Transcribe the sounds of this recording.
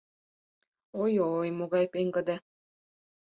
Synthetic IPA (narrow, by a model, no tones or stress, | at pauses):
ojojmoɣɑjpeŋɡə̆d̪e